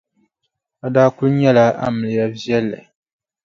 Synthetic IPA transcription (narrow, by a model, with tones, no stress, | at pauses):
a˨daː˦kʊ˦lɲɛ˦la˦a̰˦mɨ˨lɨ˨ja˦vjɛ˦lːɨ̰˨